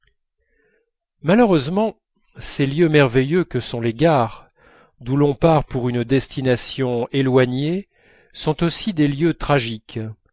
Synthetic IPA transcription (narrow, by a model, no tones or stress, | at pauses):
maløʁøzmɑ̃ | seljømɛʁvejøkəsɔ̃leɡaʁ | d̪ulɔ̃paʁpuʁynd̪ɛst̪inasjɔ̃elwaɲe | sɔ̃t̪osid̪eljøt̪χaʒik